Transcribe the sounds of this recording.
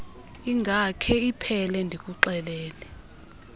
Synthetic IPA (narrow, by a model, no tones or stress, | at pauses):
iŋɡʱakʰɛipʰɛlɛndʱik̬ʼuǃɛlɛːlɛ